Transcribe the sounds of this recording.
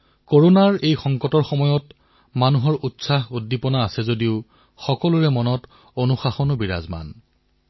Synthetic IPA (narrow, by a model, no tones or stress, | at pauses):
koɹonaɹejxɔŋkɔtɔɹxɔmɔjɔt | manuɦɔɹʔutsaɦudːipɔnaːsɛzodiʊ | xɔkɔlʊɹɛmɔnɔt | onuxaxɔnʊbiɹa̰zma̰n